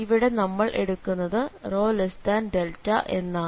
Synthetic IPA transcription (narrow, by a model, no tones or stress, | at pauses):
iʋiɽe̞nɐmːɐɭʔe̞̰ɽukːunːɐðɨro̞ːlestaːnɖeltːɐ̰ʔe̞nːaː